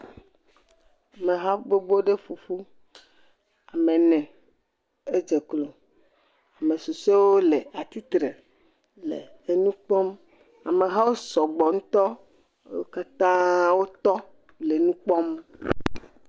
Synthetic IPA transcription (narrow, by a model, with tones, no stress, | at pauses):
a˨me˨ɦa˦ɡ͡bo˦ɡ͡bo˦ɖe˦fu˨fu˦ | a˨me˨nɛ̃˨ | e˦d͡ʒe˨klo˨ | a˨me˨su˨se˦wo˦le˨a˨t̪i˦t̪ɾe˨ | lḛ˨ | e˨nũ˦k͡pɔ˦m | a˨mẽ˨ɦa˦wo˦sɔ˨ɡ͡bɔ˨ŋũ˦t̪ɔ˦ | wo˦ka˦t̪ã˦wo˦t̪ɔ˦ | le˨nũ˦k͡pɔ˦m